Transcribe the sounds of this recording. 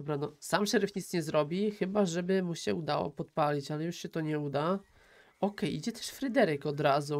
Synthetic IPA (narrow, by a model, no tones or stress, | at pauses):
ɔbɾanɔsamʂɛɾɘfɲit̪ɲɛzɾɔbʲixɘbaʐɛbɘmuɕɛud̪awɔ̰pɔt̪palʲit͡ɕalɛjuʂɕɛt̪ɔɲɛud̪a | ɔkɛjid͡ʑɛt̪ɛ̥ʂfɾɘd̪ɛɾɘkɔd̪ɾazu